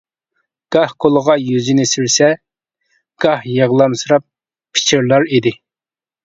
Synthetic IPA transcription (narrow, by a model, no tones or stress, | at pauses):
ɡ̥ɑhkʰolˠəʁɑjyzinɪsiɾsɛ | ɡ̥ɑhjɑʁlˠɑmsɨɾɑp̚ʰː | ɪ̥t͡ʃʰiɾlˠɑɾid̪ɪ